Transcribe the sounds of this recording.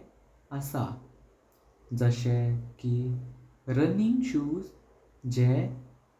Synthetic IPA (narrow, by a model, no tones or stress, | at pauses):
əsa̰ | d͡zəɕɛki | ɾəniŋɡɕuːd͡z | d͡ʑɛ